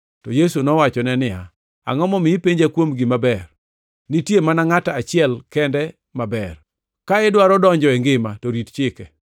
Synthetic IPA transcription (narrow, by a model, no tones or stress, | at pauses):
tɔjesunɔwat͡ʃɔnɛnɪa̰ | a̰ŋɔmɔmɪipeɲd͡ʒakwomɡɪmabɛr | nitjemanaŋataat͡ʃɪɛlkɛndɛ | mabɛr | kaɛdwaɾɔdɔɲd͡ʒɔɛŋɡɪmatɔɾitt͡ʃɪkɛ